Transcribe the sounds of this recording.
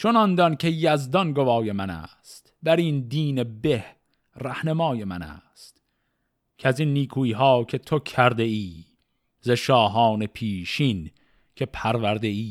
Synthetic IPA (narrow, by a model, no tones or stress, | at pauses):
t͡ʃʰonɒnd̪ɒnkʲʰe̞jæzd̪ɒnɡovɒːje̞mænæ̰ːst̪bæɾiːnd̪iːnebeh | ræhnemɒːjemænæ̰ːst̪ | cʰæzinːiːkʰuːiːɦɑːkʰe̞t̪ʰokʰæɾd̪eiː | zeʃɒːɦɒːnepʰiːʃiːn | kʰe̞pʰæɾvæɾd̪e̞iː